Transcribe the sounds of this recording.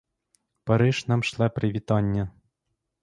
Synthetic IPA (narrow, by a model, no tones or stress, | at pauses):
pɐɾɪʒnɑmʃlˠɛpɾɪʋʲit̪ɑnʲːɐ